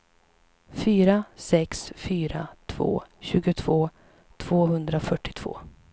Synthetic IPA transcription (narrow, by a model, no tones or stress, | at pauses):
fyːɾasɛksfyːɾat̪ʰv̥o̰ːɕʉ̟ːɡʊt̪ʰv̥oː | t̪ʰv̥oːɦɵnd̪ɾafœʈːɪ̥t̪ʰv̥o̰ː